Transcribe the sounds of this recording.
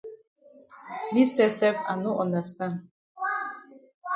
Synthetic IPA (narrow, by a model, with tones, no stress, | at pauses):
mi˦sɛ˦sɛ˦fa˨nʊ˦ʔɔ˨na˨st̪a˦n